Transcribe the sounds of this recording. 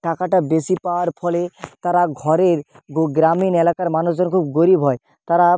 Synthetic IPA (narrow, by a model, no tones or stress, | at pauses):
ʈakaʈabesipaoaɾfʰɔlet̪aɾaɡʱɔɾeɾ | ɡoɡɾaminelakaɾmanusd͡ʑonkʰub̚ɡoɾibʱɦɔe | t̪aɾa